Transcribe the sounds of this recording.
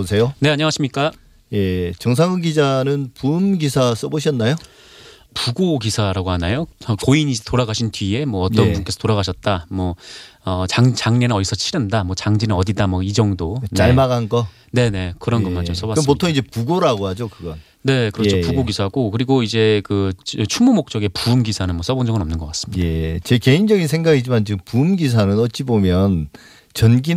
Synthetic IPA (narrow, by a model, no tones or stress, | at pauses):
osʰejone̞aɲʌŋaɕʰimɲik͈a | jet͡ɕʌŋs̬ʰaŋɯŋɡid͡ʑanɯnpumɡisʰas͈ʌboɕ̬ʰʌnːajo | puɡoɡisʰaɾaɡoɦanajoʌkoiɲid͡ʑtoɾaɡaɕʰintʰɥie̞mwʌːt͈ʌnbunk͈e̞sʰʌ̥toɾaɡaɕʰʌt̚t͈amwʌʌt͡ɕaŋt͡ɕaŋne̞nɯnʌisʰʌt͡ɕʰiɾʌndamwʌt͡ɕaŋd͡ʑinɯnʌdidamwʌid͡ʑʌŋdonaɭmaɡanɡʌ | ne̞ne̞kɯɾʌnɡʌmand͡ʑos͈ʌbwaspottʰoŋid͡ʑe̞puɡoɾaɡohad͡ʑokɯɡʌn | ne̞kɯɾʌt͡ɕʰopuɡoɡisʰaɡokɯɾiɡoid͡ʑe̞kɯt͡ɕʰumumok̚t͡ɕ͈ʌɡe̞puːmɡisʰanɯnmwʌs͈ʌbond͡ʑʌŋɯnʌmnɯnɡʌk͈as͈ɯ̥midet͡ɕeke̞ind͡ʑʌɡins̬ʰeŋɡaɡid͡ʑimant͡ɕiɯmpuːmɡis̬ʰanɯnʌt̚t͡ɕ͈ibomjʌn | t͡ɕʌnɡi